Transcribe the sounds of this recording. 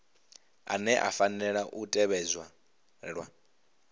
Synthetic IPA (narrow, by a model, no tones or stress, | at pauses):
a̰nɛʔa̰fanɛɺaʔutʼɛβɛzwa | ɺwa̰